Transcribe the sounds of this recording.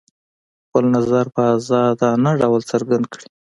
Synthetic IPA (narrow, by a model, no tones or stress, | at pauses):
xpəlnazaɾpəazɑd̪ɑnaɖawlt͡səɾɡand̪kɽi